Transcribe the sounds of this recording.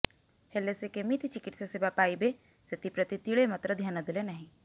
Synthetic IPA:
helesekemit̪ʰt͡ʃɪkɪʈseseːbapaːibe | set̪ipɾət̪it̪iɭemɐt̪ɾəd̪ʱjaːnod̪ɪlenɐɦĩ

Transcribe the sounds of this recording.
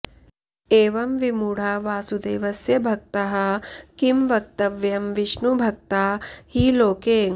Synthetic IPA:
eːʋɐmʋimuːɽ̤aːʋaːsud̪eːʋɐsjɐbʱɐk̚t̪ɐɦɐ̆kimʋɐk̚t̪ɐʋjɐmʋiʃnubʱɐk̚t̪aːhiːloːkeːŋ

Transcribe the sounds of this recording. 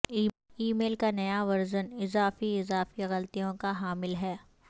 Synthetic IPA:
iːmeːlkanɐjaʋɐɾzənɪzaːfiɪzaːfiɣɐlt̪ijõkaɦaːmɪlɦɛː

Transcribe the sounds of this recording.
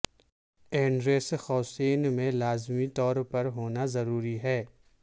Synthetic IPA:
ɛ̃ːɳɖɾeːsxɔːseːnmẽlaːzmit̪ɔːɾpɐɾɦoːnazɐɾuːɾiɦɛː

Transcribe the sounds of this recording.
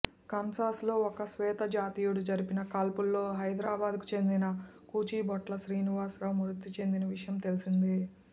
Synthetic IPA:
kɐnsaːslo̞ːɔkɐsʋɛːt̪ɐd͡ʒaːt̪iːjuɽud͡ʒɐɾipinɐkaːlpulːo̞ːɦɐjd̪ɾaːbaːd̪ku̥t͡ʃe̞nd̪inɐkuːt͡ʃiːbɔʈlɐʃɾiːniʋaːsɾɐːwmuɾut̪ːit͡ʃe̞nd̪inɐʋiʂɐjɐmt̪e̞lisind̪i

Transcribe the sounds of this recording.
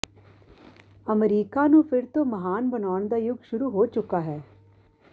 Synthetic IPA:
əmɾiːkaːnũːpʰɪɾt̪õːməɦaːnbənaːʊɳd̪aːjʊɡʃʊɾuːɦoːt͡ʃʊkaːɦɛː

